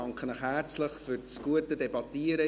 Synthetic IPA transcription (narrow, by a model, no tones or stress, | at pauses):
ɑŋkχənəχhært͡sləχfʏɾt͡sɡ̥uətədɛbɑt̪iəɾə